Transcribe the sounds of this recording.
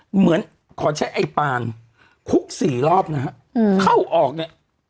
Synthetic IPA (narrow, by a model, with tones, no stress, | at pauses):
mɯ˩˦ən | kʰɔː˩˦t͡ɕʰa˦˥jʔa˧jpaː˧n | kʰu˦˥k̚siː˨˩lɔː˥˩p̚na˦˥ha˦˥ʔkʰa˥˩wʔɔː˨˩k̚ni˧˥˩